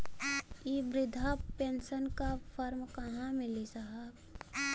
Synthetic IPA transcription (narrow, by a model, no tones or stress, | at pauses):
iːbɾɪd̪ʱapẽːnsənkapʰəɾmkəɦãmɪlisaɦəb